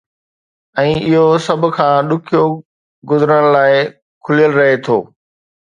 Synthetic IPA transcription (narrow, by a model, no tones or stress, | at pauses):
ɛ̃ːɪɦosɐbʱkʰãːɗʊkʰijo | ɡʊzɾəɽ̃laːɪ | kʰʊlijəlɾɐɦet̪ʰoː